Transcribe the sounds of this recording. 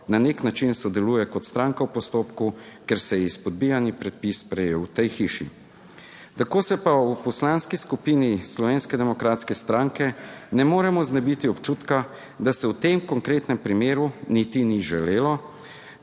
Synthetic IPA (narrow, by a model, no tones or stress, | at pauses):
naneknat͡ʃinsɔd̪ɛluːjɛkɔt̪st̪ɾaŋkawpɔst̪oːpkukɛɾsɛjɛispɔd̪̚bijanipɾɛt̪̚pispɾɛjewt̪ɛjxiːʃḭ | t̪akoːsɛpawpɔslanskiskupinislɔʋeːnskɛd̪ɛmɔkɾaːt̪skɛst̪ɾaŋkɛnɛmoːɾɛmɔznɛbit̪iɔpt͡ʃuːt̪ka | d̪asɛwt̪emkɔŋkɾeːt̪nɛmpɾimeːɾunit̪iniʒɛleːlɔ